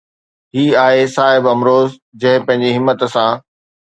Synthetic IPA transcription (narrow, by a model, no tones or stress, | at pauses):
ɦiːaːɦesaːɦɪbɐmɾoːz | d͡ʑɐ̃ɦɪ̃pɐ̃ɦɪ̃ɲd͡ʑiɦɪmːət̪sãː